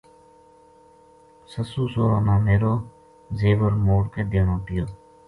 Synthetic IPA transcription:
səsuːsoːɾoːnaːmeːɾoː | zeːʋəɾmoːɽkeːd̪eːnõːt̪ɪjoː

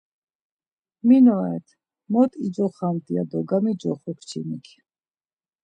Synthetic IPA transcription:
minɔɛ̰t̪ʰ | mɔt̪ʼid͡ʒɔχamt̪ʼia̰d̪ɔɡamid͡ʒɔχɔkʰt͡ʃʰḭmikʰ

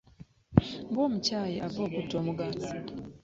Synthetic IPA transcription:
ŋɡoːmucajiʔavoːkutːoːmuɡati̥

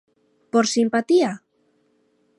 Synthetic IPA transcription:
poɾsimpat̪ia

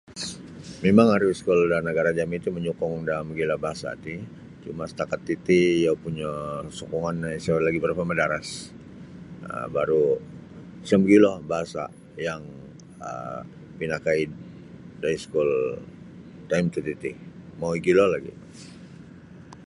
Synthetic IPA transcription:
memaŋaɾuskɔldanəɡaɾad͡ʒamiit̪uməɲukɔŋdamɡilabaɦasa̰t̪i | t͡ʃumasə̥t̪akat̪ːit̪ijapuɲasɔkɔŋanaisaoɾlaɡibəɾapamədaɾas | ə̰baɾu | səmɡilɔbaɦasa̰ | jaŋ | ə̰ | pinakaid̪ | daiskul | t̪amt̪ut̪it̪imawiɡilɔlaɡḭ

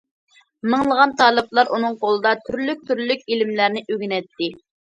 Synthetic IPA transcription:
mɨŋlˠəʁɑnt̪ʰɑːlˠɨplˠɑɾʔunɨŋqʰolˠɨd̪ɑt̪ʰyɾlyk̚ʲt̪ʰyɾlykʲilɪmlæɾnɪʔøɡʲinɛt̪ːɪ

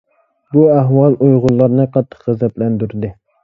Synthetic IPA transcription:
buæɦwɑlˠʔujʁʊlˠːɑɾnɨqʰɑt̪ʰːə̥qχɪzɛp̪lɛnd̪yɾd̪ɪ

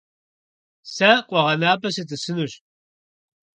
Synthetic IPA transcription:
sɐqʷʼɔʁɐnaːpʰɐsɨtʰʼɨsɨnuɕ

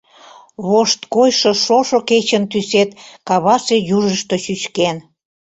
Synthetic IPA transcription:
βoʃt̪kojʃŏʃoʃoket͡ɕənt̪yset̪kɑβɑʃejuʒəʃt̪ə̆ʃyt͡ɕken

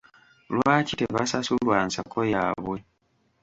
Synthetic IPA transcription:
lwaːcite̞βasasulwaːnsakojaːβwe̞

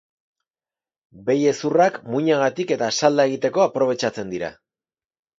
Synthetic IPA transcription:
be̞je̞surakmuɲaɣ̞at̪ike̞t̪asald̪ae̞ɣ̞it̪e̞ko̞apɾo̞β̞e̞t͡ʃat͡se̞nd̪iɾa̰

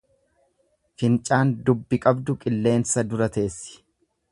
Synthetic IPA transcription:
fɪnt͡ʃʼaːnd̪ʊbːɪkʼɐbd̪ʊkʼɪlːe̞ːnsɐd̪ʊɾɐt̪e̞ːsːɪ̥

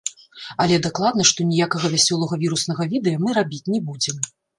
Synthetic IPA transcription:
ɐlʲɛd̪aklˠad̪nɐʂt̪ɔnʲijakɐɣɐvʲasʲɔlˠɐɣɐvʲiɾusnɐɣɐvʲid̪ɛjɐmɨɾabʲit͡sʲnʲɛbud͡zʲɛm

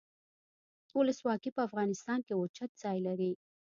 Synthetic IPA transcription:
ʊləswɑkipəafɣɑnɪst̪ɑnkewʊt͡ʃat̪̚zɑjlaɾi

